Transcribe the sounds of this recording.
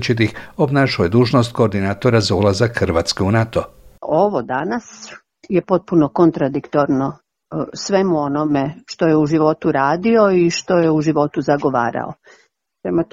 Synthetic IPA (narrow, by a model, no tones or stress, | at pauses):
t͡ʃit̪̬ixobnaːʃujed̪uːʒnost̪̚ko̞ːɾd̪inaːt̪o̞ɾazaulazakxɾʋaːt̪skeunat̪oo̞ʋo̞d̪anas | jepo̞t̪̚puno̞ko̞nt̪ɾad̪ikt̪o̞ɾno | sʋe̞muo̞nomeʃt̪o̞jeuʒiʋo̞t̪uɾaːd̪io̞iʃt̪o̞jeuʒiʋo̞t̪uzaɡo̞ʋa̰ːɾa̰o̰ | semot̪